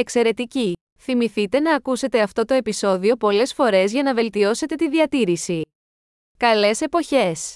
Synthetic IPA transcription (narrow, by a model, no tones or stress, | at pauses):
e̞kse̞ɾe̞t̪ici | θimiθit̪e̞nɐːkuse̞t̪e̞ɐft̪o̞t̪o̞e̞piso̞ðio̞po̞le̞sfo̞ɾe̞zʝɐnɐve̞lt̪io̞se̞t̪e̞t̪iðiɐt̪iɾisi | kɐle̞se̞po̞çe̞s